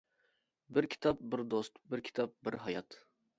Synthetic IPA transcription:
bɪɾkʲʰi̥t̪ʰɑp̚bɪɾd̪ost̪bɪɾkʲʰi̥t̪ʰɑp̚bɪɾɦɑjɑt̪

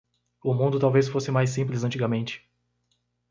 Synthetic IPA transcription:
ʊmũnd̪ʊt̪awvesfosɪmajs̬ĩplɪzɐ̃nt͡ʃiɡɐmẽnt͡ʃɪ̥

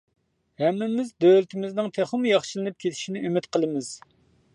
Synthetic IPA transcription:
hɛmːɪmɪzd̪ølt̪ʰɪmɪznɨŋt̪ʰeχəmjɑχʃɨlˠɨnɨp̚kʲʰet̪ʰɪ̥ʃinɪʔymɪt̪qʰəlˠɨmɪz̥

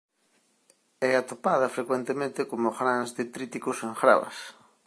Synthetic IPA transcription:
ɛat̪opaðɐfɾekwent̪emẽnt̪ekomoxɾãnzðɪt̪ɾit̪ikosẽŋxɾa̰βɐ̰s

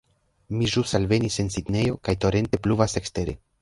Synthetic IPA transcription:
miʒusalve̞nise̞nsidne̞jo̞kajto̞ɾe̞nte̞pluvase̞kste̞ɾe̞̰

